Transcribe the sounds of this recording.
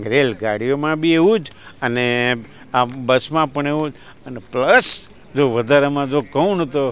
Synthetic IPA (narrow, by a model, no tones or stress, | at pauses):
ɡɾelɡaɽijomãbʱieũd͡ʒəne | abəsmãpəɳeʋũd͡ʒ | ənepləs | d͡ʒoʋəd̪ʱaɾamãd͡ʒokəunt̪o